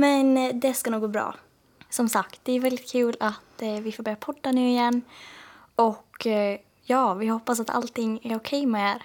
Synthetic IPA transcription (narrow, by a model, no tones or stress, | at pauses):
mɛnd̪ɛskanuːɡoːbɾɑ̰ː | sɔmsakt̪̚d̪̥ɛæɾvɛld̪ɪt̪̚kʰʉ̟ːlat̪vɪfoːɾbɛpʰɔd̪ːanʉ̟ːɪjɛnː | ɔkː | jɑːvɪhɔpːas̬at̪ʰa̰lt̪ʰɪŋːæɾʊkʰɛjmɛeɾ